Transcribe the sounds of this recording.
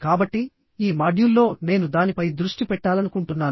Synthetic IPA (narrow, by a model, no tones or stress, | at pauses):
kaːbɐʈːi | iːmaːɖjulːo̞ːne̞ːnud̪aːnipɐjd̪ɾuʂʈipɛʈːaːlɐnukuɳʈunːaːn